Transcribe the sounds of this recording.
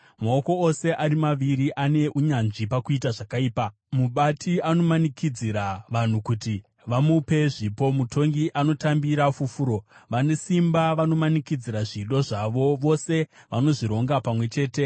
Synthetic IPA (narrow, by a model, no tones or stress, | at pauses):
maoko̞ose̞ʔaɾimaʋiɾiʔane̞ʔuɲanʐipakuitaʐakaiːpa | muɓatʰiano̞manikʰid͡ziɾaʋan̤ukuti | ʋamupe̞ʐipo̞mutʰo̞ŋɡiʔano̞tambiɾafufuɾo̞ʋane̞simbaʋano̞manikid͡ziɾaʐiɗo̞ʐaʋo̞ʋo̞se̞ʋano̞ʐiɾo̞ŋɡapamwe̞t͡ʃe̞ːte̞